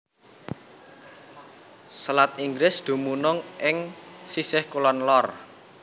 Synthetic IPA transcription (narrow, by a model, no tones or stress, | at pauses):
səlat̪iŋɡɾɪsd̪̥ṳmunɔŋʔɪŋsisɪhkulɔnlɔr